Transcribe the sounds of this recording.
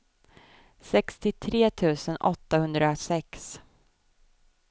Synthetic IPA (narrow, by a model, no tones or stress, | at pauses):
sɛkst̪ɪt̪ʰɾeːt̪ʰʉ̟ːsənʔɔt̪ːahɵnd̪ɾasɛks